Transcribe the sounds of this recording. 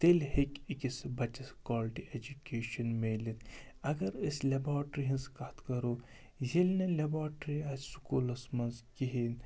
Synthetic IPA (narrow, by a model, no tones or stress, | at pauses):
t̪elhekikisbɐt͡ʃɐskaːlʈiʔed͡ʒukeːʃɐnmeːlin | ɐɡɐɾislɐbaːʈɾiɦinskɐt̪kɐɾo | zelnelʲɐbaːʈɾiɐsʲsu̥kuːlɐsmɐnzkiɦin